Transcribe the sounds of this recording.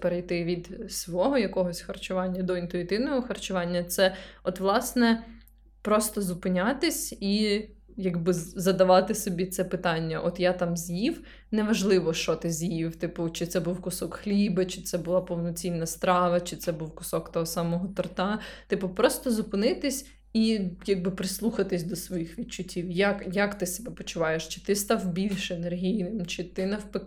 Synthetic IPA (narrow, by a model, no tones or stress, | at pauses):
peɾejt̪ɪʋʲid̪sʋɔɦɔjɐkɔɦɔsʲxɐrt͡ʃʊʋɑnʲːɐd̪ɔint̪ʊit̪ɪwnɔɦɔxɐrt͡ʃʊʋɑnʲːɐt̪sɛɔt̪ʋlˠɑsnɛ | pɾɔst̪ɔzʊpɪnʲat̪ɪsʲi | jɐɡbɪzɐd̪ɐʋɑt̪ɪsɔbʲit̪sɛpɪt̪ɑnʲːɐʔɔt̪jat̪ɑmzʲjiw | nɛʋɐʒlˠɪʋɔʃt͡ʃɔt̪ɪzʲjiwt̪ɪpʊt͡ʃɪt̪sɛbuwkʊsɔkxlʲibɐt͡ʃɪt̪sɛbʊlˠɑpɔwnɔt͡sʲinʲnɐst̪ɾɑʋɐt͡ʃɪt̪sɛbuwkʊ̥sɔkt̪ɔɦɔsɑmɔɦɔt̪ɔrt̪ɑt̪ɪpʊpɾɔst̪ɔzʊpɪnɪt̪ɪsʲ | ijɐɡ̚bɪpɾɪslˠuxɐt̪ɪsʲd̪ɔsʋɔjixʋʲid̪̚t͡ʃʊtʲʰːiwjakjɐkt̪ɪsɛbɛpɔt͡ʃʊʋɑjeʃt͡ʃɪ̥t̪ɪst̪ɑwbʲilʲʃenerɦʲijnɪmt͡ʃɪt̪ɪnɐwpɪ